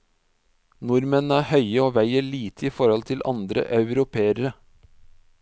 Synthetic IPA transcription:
nʊɾmənəæːhœʏəoːʋæɪəɭiːt̪ʰəiːfɔɾɔlt̪ʰɪlʔɑ̰nd̪ɾə̰ʔɑʉɾʊpʰeːəɾə

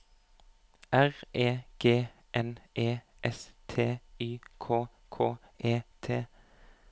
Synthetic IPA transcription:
ʔæʁeːɡ̥eː | ʔɛnʔeː | ʔɛst̪ʰeːyːkʰoː | kʰoː | eːt̪ʰeː

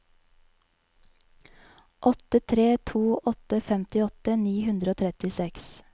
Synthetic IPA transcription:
ʔɔt̪ət̪ʰɾeːt̪ʰuːʔɔt̪əfɛmt̪ɪɔt̪əniːhʉnd̪ɾəoːt̪ʰɾɛt̪ɪsɛks

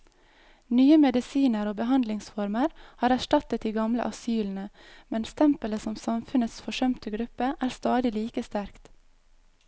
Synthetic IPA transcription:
nyːəmɛd̪ɪsiːnəɾoːbəɦɑnd̪lɪŋsfɔɾməɾhɑːɾæʃʈɑt̪ət̪̚d̪iːɡɑmlə̰ʔɑsyːln̩əmɛnst̪ʰɛmpələsɔmsɑmfʉnət̪sfɔʃœmt̪əɡɾʉpəʔæːɾst̪ɑːd̪ɪliːkəst̪æɾkt̪

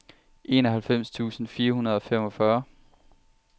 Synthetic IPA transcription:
ʔe̝̰ːnɒ̽ɦælfem̰st͡sʰṵːsn̩fiːɐhunɐð̞ˠɒ̽femɒ̽fɶɐ

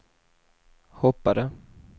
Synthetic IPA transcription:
hɔpːaɾə

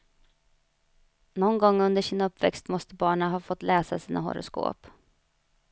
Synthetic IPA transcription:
nɔnɡɔŋːɵnd̪əʂɪnaɵpːvɛkst̪mɔst̪əbɑːɳaɦɑːfɔt̪ːlɛːsasiːnaɦɔ̰ɾʊ̰sko̰ːp

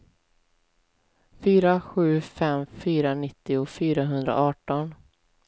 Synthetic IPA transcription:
fyːɾaɧʉ̟ːfɛmfyːɾanɪt̪ːɪʊfyːɾaɦɵnd̪ɾa̰ʔɑːʈɔn

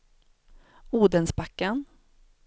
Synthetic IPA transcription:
uːd̪ənsbakːan

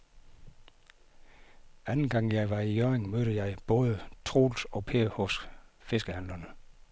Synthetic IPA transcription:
ænn̩ɡ̥ɑ̈ŋ̰jɑ̈ɪʋɑ̈ijøːʁeŋmøːɾəjɑ̈ɪb̥ɔ̽ːð̞ˠət͡sʰʁo̝̰ːlsɒ̽pʰeːhɔ̽sfe̝sɡ̥əhæn̰lɐnə

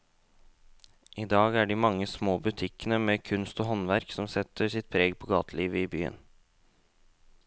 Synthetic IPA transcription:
ʔiːd̪ɑːɡæːɖiːmɑŋːəsmoːbʉt̪ʰɪkənəmeːkʰʉnst̪oːɦɔnʋæɾksɔmsɛt̪ʰːəsɪt̪̚pʰɾeːɡpʰɔːɡɑːt̪ʰəliːʋəiːby̰ːə̰n

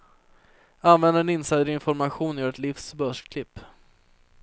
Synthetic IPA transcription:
anvɛnd̪əɾɛnɪnsajd̪ɾəɪnfɔɾmaɧuːnjœːɾɛt̪lɪfsbœʂkʰlɪpː

